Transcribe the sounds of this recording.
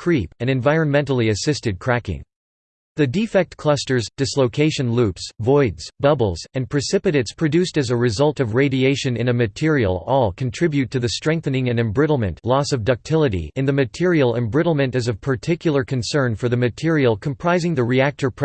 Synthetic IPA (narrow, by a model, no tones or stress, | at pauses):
kʰɹ̥ipɨ̃ñɨ̃ɱvaɪɹɨ̃nmɛ̃ntˡl̩ˠiɨsɪstɨd̚kʰɹ̥ækɪ̰̃ŋ | ðɨdifɛk̚t̚kʰl̥ʌstə˞zd̥ɨsloʊkʰeɪʃɨ̃nlʉpsvɔɪdz̥bʌbl̩ˠzɨ̃npʰɹ̥ɨsɪpɨɾɨtspʰɹ̥ɨdʉstɨzɨɹɨzʌlˠtʌvɹeɪɾieɪʃɨ̃nɨ̃nɨmɨtʰɪɹiə̰l̩ˠɔlˠkʰɨ̃n̩tʰɹ̥ɪbjʉd̚tʰɨðɨstɹ̥ɛ̃ŋk̚θɨ̃nɪ̃ŋɨ̃nɨ̃mbɹɪɾl̩ˠmɨ̰̃nʔlɔsʌvdʌk̚tʰɪlˠəɾḭɨ̃nðɨmɨtʰɪɹil̩ˠɛ̃mbɹɪɾl̩ˠmɨ̃ntɨzʌv̥pʰə˞tʰɪkjl̩ˠə˞kʰɨ̃nsɜ̃˞nfə˞ðɨmɨtʰɪɹilˠkʰə̃mpʰɹ̥aɪzɪ̃ŋðɨɹiæk̚tə˞pʰ